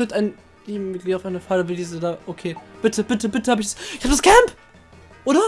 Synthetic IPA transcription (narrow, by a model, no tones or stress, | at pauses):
øːɐtaɪn | liːbm̩mɪtɡliːaʊfʔaɪnəfaːləbədiːzədaːʔokʰeːb̥ɪtʰəbɪtəbɪtəhaːbəɪç̥asɪçhaːbəd̥askʰɛmp | ʔoːɾɐ